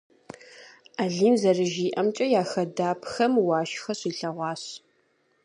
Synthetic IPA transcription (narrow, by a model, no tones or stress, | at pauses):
aːɮiːmzɐrɨʒiːʔɐmt͡ʃʼɐjaːxɐdaːpʰxɐmwɑːʃxɐɕiːɬɐʁʷɑːɕ